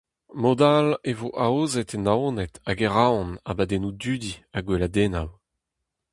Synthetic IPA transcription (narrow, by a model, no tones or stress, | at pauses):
mod̪alevoʔaoːzɛt̪enaonɛt̪aɡɛʁaɔ̃na̰bad̪enudyːd̪iaɡwelad̪enaw